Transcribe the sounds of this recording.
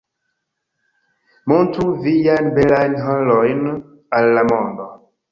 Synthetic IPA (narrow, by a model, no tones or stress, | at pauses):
montɾuvijajnbelajnɦolojn | alːamondo